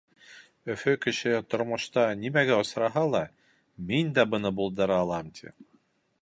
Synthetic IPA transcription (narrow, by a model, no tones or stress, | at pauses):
ɵ̆fɵkɘ̆ɕɘt̪ŏɾmŏʃt̪ɑnimæɡæŏsɾɑɦɑlˠɑ | mind̪æbɤ̆nɤbulˠd̪ɤ̆ɾɑːlˠɑmt̪ʲʰḭ